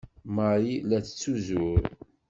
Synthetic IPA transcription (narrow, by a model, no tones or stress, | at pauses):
maɾilæt͡sːə̥t͡sːuzʊɾ